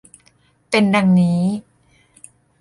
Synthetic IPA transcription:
pe˧nda˧ŋniː˦˥

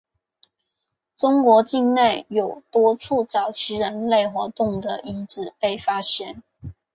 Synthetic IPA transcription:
ʈ͡ʂʊ˥ŋkwɔ˧˥t͡ɕi˥˧ŋne˥˩ɪjo˨˩ʊt̪wɔ˥ʈ͡ʂʰu˥˩t͡sɑ˨˩ʊt͡ɕʰi˧˥ɻə˧˥nle˥˩ɪxwɔ˧˥t̪ʊ˥˩ŋd̪ə˨˩ʔi˧˥ʈ͡ʂɻ̩˨˩pe˥˩ɪfa˥ɕjɛ˥˩n

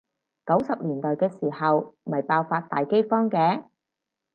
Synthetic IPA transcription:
kɐ˨˥wsɐ˨p̚liː˨˩nt̪ɔː˨jkɛː˧siː˨˩hɐ˨wmɐ˨˩jpaː˧wfaː˧t̚t̪a̰ː˨jke˥jfɔː˥ŋkɛː˧˥

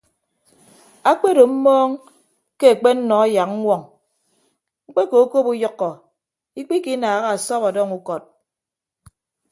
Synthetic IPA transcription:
a˦k͡pe˦do˨m̩˦mɔː˦ŋ | ke˦a˨k͡pe˦n̩˦nɔ˨a˦ja˨k̚ŋ̩˦wʷɔ˨ŋ | ŋ͡m̩˦k͡pe˦ko˨˦ko˦pu˦jɔ˦kːɔ˨ | i˦k͡pi˦ki˦naː˨ɣa˦a˨sɔ˦βɔ˨dɔ˦ŋu˦kɔ˨t̚

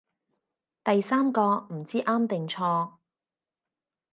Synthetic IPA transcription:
t̪ɐ˨jsaː˥mkɔː˧m̩˨˩t͡siː˥ʔaː˥mt̪ɪ˨ŋt͡ʃʰɔː˧

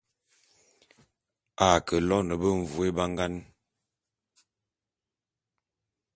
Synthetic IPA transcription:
a˨kə˨lɔ˦nə˨bə˦ɱ̩˨vu˨e˦ba˦ŋɡa˦n

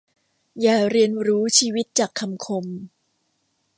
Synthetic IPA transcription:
jaː˨˩ɾi˧ənɾuː˦˥t͡ɕʰiː˧wi˦˥t̪̚t͡ɕaː˨˩kʰːa˧mkʰo˧m

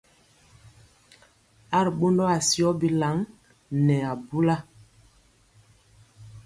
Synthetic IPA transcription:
a˦˨ɾɓo˦ndɔ˦a˨si˦ɔ˦bi˦la˨˦ŋ | nɛ˨a˨bu˦la˦

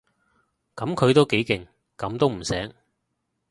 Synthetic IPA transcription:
kɐ˨˥mkʰɵ˨˧t̪o˥wke˨˥jkɪ˨˩ŋ | kɐ˨˧˥mt̪o˥wm̩˨˩sɛː˨˥ŋ

